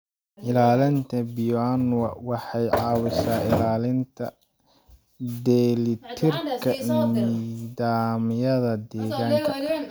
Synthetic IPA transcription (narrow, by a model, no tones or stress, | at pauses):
ʔɪlaːlɪnt̪ʰɐbɪjɔanwɐwɑħɑjʕɑːwɪʃaːɪlaːlɪnt̪ʰɐ̰ | d̪ɛlɪt̪ʰɪrkʰɐniːðaːmɪjɐðɐd̪ɛːɣaːŋkʰɐ